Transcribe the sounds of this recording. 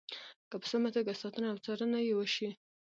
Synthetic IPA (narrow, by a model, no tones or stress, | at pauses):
kapə̥samat̪aɡasɑt̪ənaawt͡sɑɾənajewəʃi